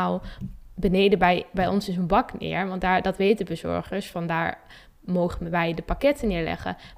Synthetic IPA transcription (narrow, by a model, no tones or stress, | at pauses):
lˠbənejdəbɛjbɛjɔ̰nsɪsənbɑknɪ̰ːɹʋɑntdaːɹdɑtʋejtdəbəzɔ̰ɹχəɹsfɑndaːɹ | mowχənʋɛjdəpakɛtənɪːɹlɛ̰χə̰